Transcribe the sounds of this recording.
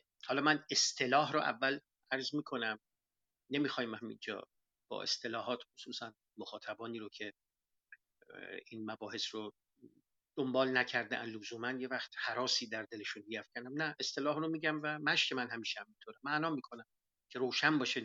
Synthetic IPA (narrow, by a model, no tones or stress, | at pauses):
hɒːlɒmæne̞st̪ʰe̞lɒːɦɾoʔæ̰vːæl | æɾzmiːkʰo̞næm | nemiːxɒːjimhæmḭnd͡ʒɒ̰ː | b̥ɒ̰ːʔe̞̰st̪ʰe̞lɒːɦɒːt̪xosuːsæn | moxɒːt̪ʰæbɒːniːɾocʰe̞ | iːnmæbɒːhe̞sɾo | d̪̥ombɒːlnæcʰæɾd̪eænlozuːmænje̞væxt̪hæɾɒːsiːd̪æɾd̪e̞le̞ʃunbijæfcʰænd̪æmnæʔe̞st̪ʰe̞lɒːhɾomiːɟæmvæmæʃcʰe̞mænhæmiːʃehæmint̪ʰoːɾæmæʔnɒːmiːkʰo̞næm | cʰe̞ɾoːʃænbɒːʃe